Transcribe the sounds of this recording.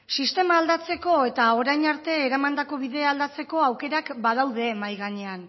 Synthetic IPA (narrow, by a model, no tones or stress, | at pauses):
sist̪e̞maːld̪at͡se̞ko̞e̞t̪ao̞ɾajɲaɾt̪e̞ːɾamand̪ako̞βiðe̞ald̪at͡se̞ko̞awke̞ɾakbað̞awðe̞majɣaɲe̞an